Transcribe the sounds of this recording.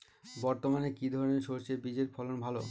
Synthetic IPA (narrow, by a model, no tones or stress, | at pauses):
bɔɾt̪omanekid̪ʱɔɾoneɾʃot͡ɕebid͡ʑeɾpʰɔlonbʱalo